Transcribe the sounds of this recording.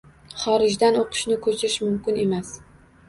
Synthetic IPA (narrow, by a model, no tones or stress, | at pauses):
χɒɾɪʒd̪anoqʰɨ̥ʃnɪkʰɵt͡ʃʰɪɾɪʃmʊmkʲɪne̞mas